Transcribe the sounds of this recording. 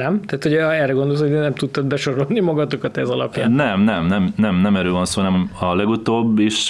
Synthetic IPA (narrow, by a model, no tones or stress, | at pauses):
nɛmt̪ɛːt̪hoɛrɛɡond̪olshonɛmt̪ut̪ːɒd̪bɛʃo̞ɾo̞lnimɒɡɒt̪o̞kɒt̪ɛzɒlɒ̰pja̰ːnnɛmnɛmnɛmnɛmnɛmɛɾøːvɒnsoːnɛmɒlɛɡut̪oːbːiʃ